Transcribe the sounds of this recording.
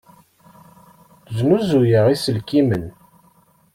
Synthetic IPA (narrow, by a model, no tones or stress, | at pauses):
znuzujəʁisəlkimən